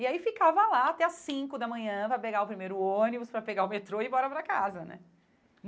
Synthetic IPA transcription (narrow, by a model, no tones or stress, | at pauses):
iaifikavɐlaat̪ɛasĩkʊd̪ɐmɐ̃ɲɐ̃vajpeɡaʊpɾimejɾʊõnibʊspɾɐpeɡaʊmet̪ɾoɪbɔɾɐpɾɐkazɐnɛ̰